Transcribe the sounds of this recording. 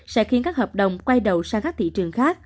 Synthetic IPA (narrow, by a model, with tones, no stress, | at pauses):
sɛ̰˧˥xi˨ənkaː˦˥k̚həː˨˩p̚ɗə˨˩wŋ͡mkwa˧jɗə˨˩wsaː˧ŋkaː˦˥k̚t̪ʰḭ˧˨t͡ɕɨ˨˩əŋxaː˦˥k̚